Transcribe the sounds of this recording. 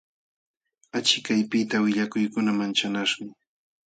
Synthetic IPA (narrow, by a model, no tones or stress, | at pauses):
at͡ʃɪkajpɪt̪awɪʎakʊjkʊnamant͡ʃanaʃɢɑ